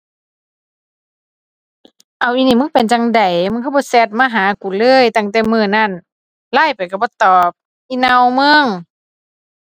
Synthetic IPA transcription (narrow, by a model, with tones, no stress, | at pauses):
ʔa˨wʔi˧niː˧˩˨mɯ˧˥˨ŋpe˨nt͡ɕa˧ŋda˨˩jmɯ˧˥˨kʰɯ˧˥˩bɔː˧˦sɛ˧˩t̪̚maː˧˨ɦaː˨˦ku˨˩lɤː˧˥˨jt̪a˧˩ŋt̪ɛː˧mɯː˧˨na˧˩˨n | laː˧˥˩jpa˨jka˧˩bɔː˧˦t̪ɔː˨˩p̚ | ʔi˧˨na˧wmɯ˧˨ŋ